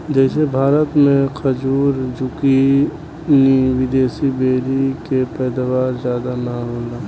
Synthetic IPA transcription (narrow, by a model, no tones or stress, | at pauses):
d͡ʒɛːsebʱaːɾət̪mẽkʰəd͡ʒuːɾd͡ʒʊki | niʋɪd̪eːsibeːɾikepɛːd̪aʋaːɾzjaːd̪anaɦoːnd̪aː